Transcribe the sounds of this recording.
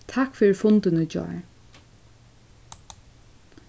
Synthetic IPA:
t̪ʰakfɪːɾfʊnt̪ɪnəd͡ʒɔ̰

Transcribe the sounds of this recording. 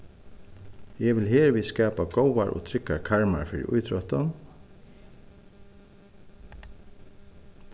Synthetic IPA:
jɛʋɪlɦeːɹʋiːskɑːpaɡowaɹʔɔ̰ːt̪ʰɾɪkːaɹkʰaɹma̰ɹfɪːɾɪ̰ʔʊ̰jt̪ʰɾɔht̪ɔn

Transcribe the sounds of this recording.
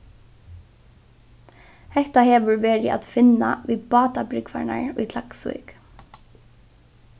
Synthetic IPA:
hɛht̪ahɛːʋʏɹʋɛːɹɪʔa̰t̪fɪnːa̰ʋiːpɑːt̪apɾɪkʋa̰ɳa̰ɹṵjt̪l̥aksṵjk

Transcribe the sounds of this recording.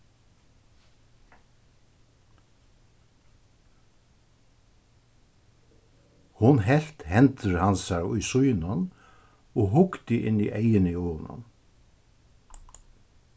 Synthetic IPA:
hʊnɦɛl̥t̪hɛnt̪ɪɾhansaɾʊjsujnan | ɔɣɦʊkt̪ɪʔɪ̰nːiʔejɪnɪona̰n

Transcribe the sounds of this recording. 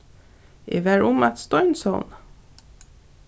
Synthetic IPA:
ḛːʋæɹʊmɑt̪st̪ɔʏnsɔn

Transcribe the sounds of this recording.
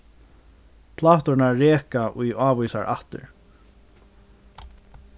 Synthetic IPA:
pʰlaːt̪ɔɹnaːeːkaʔujaːvujsaɹʔa̰ht̪ɪ̰ɹ

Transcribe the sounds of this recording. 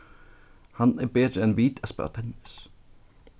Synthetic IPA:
hɑnæbeːd̪ɾəɛnʋiːd̪ɛspɑ̰ːt̪ʰɛnɪs

